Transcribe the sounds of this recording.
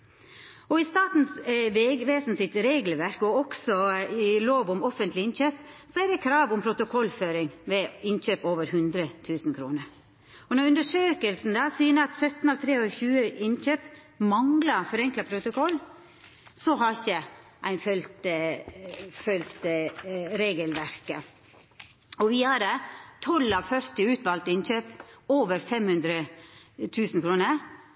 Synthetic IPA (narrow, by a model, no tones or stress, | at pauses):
ɔɪst̪ɑːt̪n̩sʋeːɡʋeːsn̩sɪt̪ɾeːɡlʋæɾkɡoɾɔksɔɪloːʋʊmɔfənt̪lɪɪnçøːpsɔæd̪ɛkʰɾɑːʋʊmpʰɾʊt̪ʊkʰɔlːføːɾɪŋʋɛɪnçøːpoːʋəɾɦʉnd̪ɾət̪ʰʉːsn̩kʰɾṵːnəɾ | ɔnɔʉnd̪əʂøːkəlsn̩d̪ɑːsyːnəɑt̪sœt̪n̩ɑlt̪ʰɾeːɔçʉːəʔɪnçøːp | mɑŋlɑfɔɾɛŋklɑpʰɾʊt̪ʊkɔlː | sɔɦɑçəʔæɪnfœlt̪ | fœlt̪ | ɾeːɡəlʋæɾkə | ɔʋɪæɾet̪ʰɔlɑʋfœɾt̪ɪʉːt̪ʋɑlt̪ɪnçøːpoːʋəɾfɛmhʉnd̪ɾət̪ʰʉːsn̩kʰɾuːnəɾ